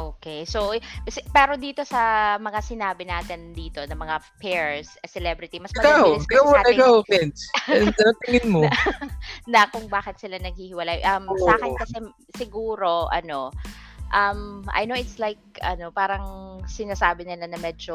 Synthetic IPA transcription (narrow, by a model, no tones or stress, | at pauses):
ʔoːkejsosɛpɛːɾo̞d̪iːt̪o̞sɐmɐŋasɪnaːbɪnaːt̪ɪnd̪iːt̪o̞nɐmɐŋapɛɹsɐsɛlɛbɾɪt̪imɐsmɐaɪsaɐaɐɡaofɛnsɐnɐt̪ɪŋɪnmo | nɐkʊŋbaːkɪt̪sɪlanɐɡ̚hihɪwɐlajʔɐmsaːkɪt̪kɐsɛ | sɪɡuːɾo̞ʔɐ̰no̞ʔɐmʔɐ̰jnowɪt̪slajk̚ʔɐ̰no̞paːɾɐŋsɪnaːsaːbɪnɪlanɐmɛːd͡ʒo